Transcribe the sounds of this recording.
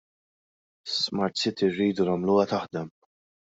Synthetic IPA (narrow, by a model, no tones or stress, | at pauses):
smɐɾt̪sɪt̪ɪrːiːd̪unɐmluːwɐt̪ɐħd̪ɛm